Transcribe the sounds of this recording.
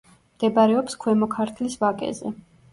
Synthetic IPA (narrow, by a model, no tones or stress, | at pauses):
md̪̥ɛbaɾɛɔpskʰwɛmɔkʰaɾt̪ʰlisvakʼɛ̰zɛ̰